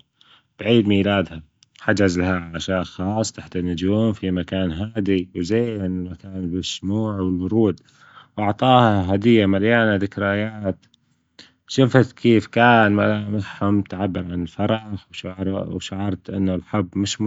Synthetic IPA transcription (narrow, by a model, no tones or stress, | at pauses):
b̥ʕiːd̪miːlaːd̪ha | ħad͡ʒazlahaʕaʔaʃjaːʔxɑːsˤt̪aħt̪anːʊd͡ʒuːmfimakaːnɦaːd̪iwzaːnɪlmakaːnbɪsmuːʕwɪlwʊɾˤuːd̪ | wʔɑʕt̪ˤɑːhaɦad̪ɪjːamaljaːnad̪ɪkɾajaːt̪ | ʃɪfat̪kʰiːfkaːnmalamaħhʊmt̪ʕabːɪɾʕanɪlfɑɾˤɑħwʃaʕɾˤwʃaʕɑɾˤt̪ʔɪ̰nːʊlħabːmɪʃ